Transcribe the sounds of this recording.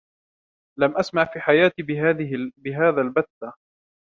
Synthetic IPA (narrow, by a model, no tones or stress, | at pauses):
lamʔasmaʕfiːħajaːt̪i | bɪɦaːðaːlbat̪ːa